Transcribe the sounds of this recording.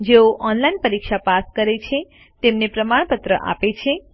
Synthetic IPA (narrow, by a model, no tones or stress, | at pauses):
d͡ʒeoʔɔnlainpəɾikʃapaskəɾet͡ʃʰe | t̪emnepɾəmaɳ̃pət̪ɾə̰ʔa̰pet͡ʃʰe